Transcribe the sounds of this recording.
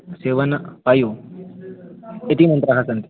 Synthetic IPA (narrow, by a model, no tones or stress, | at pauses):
seːʋɐnpɐjoː | et̪imɐ̃nt̪ɾɐɦɐsɐnt̪i